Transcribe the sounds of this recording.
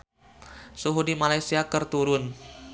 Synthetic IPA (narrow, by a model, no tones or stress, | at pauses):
suɦudimalajsiakɨrt̪uɾʊn